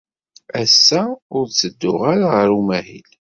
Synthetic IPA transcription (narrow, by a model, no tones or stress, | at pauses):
æsːæʊɾt͡sːəd̪ːʊʁaɾaʁəɾumæhḭl